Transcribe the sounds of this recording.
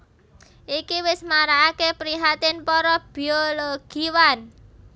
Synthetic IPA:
ʔikiwɪsmaɾaːkepɾiɦat̪ɪnpɔɾɔb̥i̤oloɡ̥iwan

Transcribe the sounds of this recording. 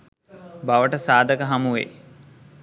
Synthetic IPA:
baʋəʈəsaːd̪əkəɦamuʋḛː

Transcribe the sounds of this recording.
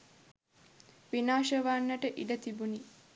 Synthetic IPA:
ʋinaːʃəʋanːəʈəʔiɖət̪ibuni

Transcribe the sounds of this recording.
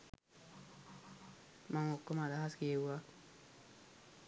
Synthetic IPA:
maŋokːomadahaskeewa

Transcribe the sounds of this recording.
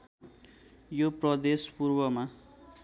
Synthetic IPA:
joprʌd̪espurbʌma

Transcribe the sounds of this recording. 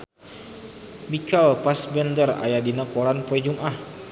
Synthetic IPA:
mikalpasbɛndəra̰jadinakoɾanpoɛd͡ʒumʔah

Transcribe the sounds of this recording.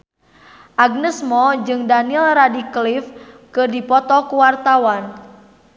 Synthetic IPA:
ʔaɡ̚nəsmɔd͡ʒɨŋdanilradiklif | kɨrdipɔt̪ɔkuwart̪awan

